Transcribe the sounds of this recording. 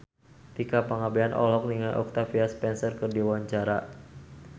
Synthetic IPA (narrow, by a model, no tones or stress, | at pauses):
t̪ikapaŋabeanʔɔ̰lɔk̚niŋajʔɔ̰k̚t̪afiaspɛnsərkərdiwaɲt͡ʃaɾa